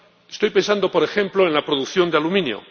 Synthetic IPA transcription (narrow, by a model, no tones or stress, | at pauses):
est̪o̞jpe̞nsand̪opo̞ɾe̞xẽ̞mplo̞enlapɾoðukθjo̞nd̪ealumĩnjo̰